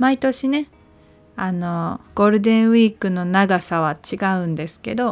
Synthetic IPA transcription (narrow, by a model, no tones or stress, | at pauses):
mait̪o̞ɕine̞ | ano̞ɡ̥o̞ɾɯ̟d̪ẽ̞ɰ̃βiːkɯ̟no̞naɡasaβ̞at͡ɕiɡaɯ̟̃nd̪e̞sɨ̥ke̞d̪o̞